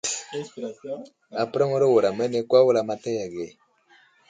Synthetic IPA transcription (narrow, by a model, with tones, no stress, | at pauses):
a˨pɾa˦ŋo˦ɾo˦wo˨ɾa˨mɛ˦ne˦ka˦wo˦la˨ma˦tɛ˦ja˨ɡe˨